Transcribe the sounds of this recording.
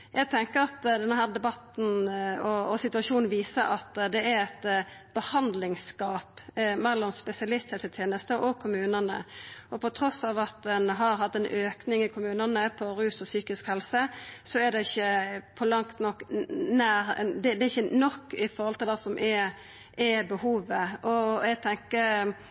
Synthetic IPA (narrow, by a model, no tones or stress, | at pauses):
jʔæɪɡ̚t̪ʰɛŋkəɾɑt̪d̪ɛnɦæːʁd̪ɛbɑt̪n̩ɔɔsɪt̪ʉɑʃuːnn̩ʋiːsəɾɑt̪d̪ɛæɛt̪b̥əhɑnd̪lɪŋskɑːpmɛlːɔmspɛsɪɑlɪst̪heːlsət̪ʰjeːnəst̪əʔɔɡ̚kʰʊmʉːnənə̰ɔpʰɔt̪ʰɾɔsɑːʋɑt̪̚d̪ɛnɦɑɾɦɑt̪ːɛnʔøːknɪŋɪkʰʊmʉːnənəpʰɔɾʉːsɔsyːkɪskhɛlsəsɔɛd̪ɛɪçːəpʰɔlɑŋt̪nɔkːnæːɾd̪ɛd̪ɛɪçːənɔkːɪfɔɾhɔlt̪ɪld̪ɛsɔmʔɛ | ʔɛbəhuːʋəʔɔɛɡ̚t̪ʰɛŋkəɾ